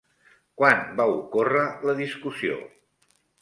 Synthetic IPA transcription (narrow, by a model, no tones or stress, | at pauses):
kwanbaukorələðiskusio̰